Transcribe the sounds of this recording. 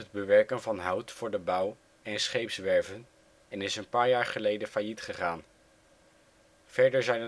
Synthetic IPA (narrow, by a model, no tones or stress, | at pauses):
əd̚bəʋɛɹkənvɑnɦʌwtfʊːɹdəbʌw | ɛnsχejpsʋɛɹvən | ɛnɪsənpaːɹjaːɹχəlejdənfaːjitχəχaːn | v̥ɛɹdəɹzɛjnə